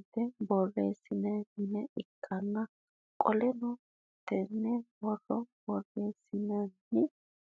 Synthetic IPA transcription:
t̪ːɛbɔrːeːsɪnɐnːɪnɛɪkʰːɐnːɐ | kʼɔlɛnɔ | t̪ːɛnːɛwɔrːɔbɔrːeːsɪnɐnːɪ

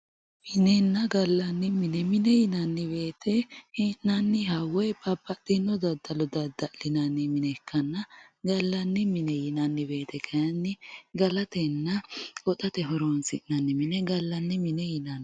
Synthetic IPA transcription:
mɪnɛnːɐɡɐlːɐnːɪmɪnɛmɪnɛjɪnɐnːɪbe̞ːt̪ʰɛhɪnnɐnːɪhɐwɛbɐbːɐt̪ːɪnːɔd̪ɐd̪ːɐlɔd̪ɐd̪ːɐʔlɪnɐnːɪmɪnɛkʰːɐnːɐɡɐlːɐnːɪmɪnɛjɪnɐnːɪbe̞ːt̪ɛkʰɐjɐnːɪɡɐlɐt̪ɛnːɐɔt̪ɐt̪ɛɦɔɾoːnsɪʔnɐnːɪmɪnɛɡɐlːɐnːɪmɪnɛjɪnɐn

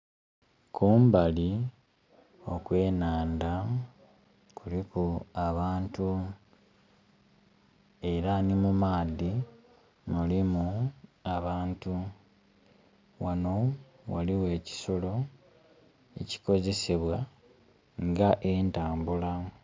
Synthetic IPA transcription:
kuːmbali | o̞kwe̞ːnaːnda | kulikuaβaːntu | e̞ɾanimumaːði | mulimuaβaːntu | wano̞ | wa̰liwe̞ːci̥so̞lo̞ | e̞̰ci̥ko̞ze̞seβwa | ŋɡaʔe̞ːntaːmbula

